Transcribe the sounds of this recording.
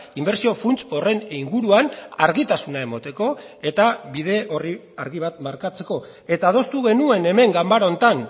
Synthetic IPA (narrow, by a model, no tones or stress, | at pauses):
imbe̞ɾsio̞funt͡so̞re̞niŋɡuɾuana̰ɾɣit̪asunae̞mot̪e̞ko̞ | e̞t̪aβiðe̞ʔo̞ri | aɾɣiβ̞at̪maɾkat͡se̞ko̞ | e̞t̪aːð̞o̞st̪uɣ̞e̞nue̞ne̞me̞ŋɡambaɾont̪an